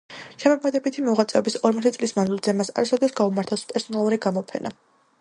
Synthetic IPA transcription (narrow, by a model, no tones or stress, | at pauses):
ʃɛmɔkʰɛd̪ɛbit̪ʰimɔuʁat̪sʼɛɔbisɔɾmɔt̪ʰt̪sʼlismanzilˠzɛmasa̰ɾasɛd̪ɛsɡaumaɾt̪ʰaspʼɛɾsɔnalˠuɾiɡamɔpʰɛ̰nʔa̰